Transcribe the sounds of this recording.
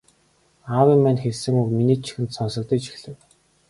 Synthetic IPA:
awimːænxeɮsɘ̆ŋukminiːt͡ɕʰi̥xɘ̆nt̪sɔnsɞ̆k̚t̪ĭkt͡ɕi̥xɮɘ̆w

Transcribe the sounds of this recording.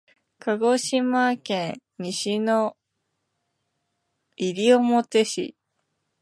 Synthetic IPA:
kaɡo̞ɕimakẽn | ɲiɕino | iɾʲiomot̪e̞ɕḭ

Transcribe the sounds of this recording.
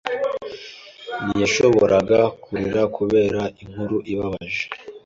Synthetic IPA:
nijaʃo̞βoɾʔaɡakʰuɾiɾakʰuβe̞ːɾaiŋ̥huɾuʔiβaβaʒe̥

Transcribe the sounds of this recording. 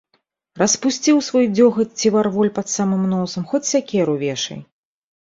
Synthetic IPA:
rɐspusʲt͡sʲiwsvɔjd͡zʲɔxɐt͡sʲivarvɔlʲpɐt̪samɨmnɔsɐmxɔt͡sʲsʲakʲɛɾuvʲɛʂɐ̰j

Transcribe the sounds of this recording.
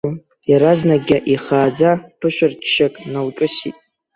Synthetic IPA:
jaɾaznaɡʲaʔiχaːd͡zapʰɨʃʷᶣɪrtʰʃakʼnawt͡ʃʼʊsḭtʼ

